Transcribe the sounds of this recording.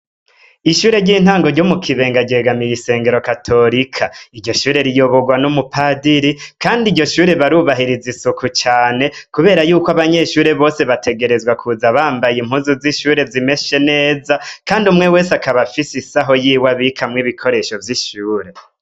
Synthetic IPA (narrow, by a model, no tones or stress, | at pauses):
iʃuːɾe̞ɾɟiːn̥haːŋɡo̞ɾɟomukʰiβe̞ːŋɡaɟe̞ɡamijise̞ːŋɡe̞ɾo̞katʰo̞ɾikʰaiɾɟo̞ʃuːɾe̞ɾijo̞βoɡwanumupadiɾikaːndiɟo̞ʃuːɾe̞βaɾuβaɦiɾizisukut͡ʃaːne̞kuβe̞ːɾajuːkoaβaɲe̞ʃuːɾe̞βo̞ːse̞βatʰe̞ɡe̞ɾe̞zɡwakʰuzaβaːmbajimhuːzuziʃuːɾe̞zime̞ʃe̞ne̞ːzakaːndiumŋe̞we̞ːseakaβafisisaɦo̞jiːwaβikʰamŋiβikʰo̞ɾe̞ʃo̞vjiʃuːɾe̞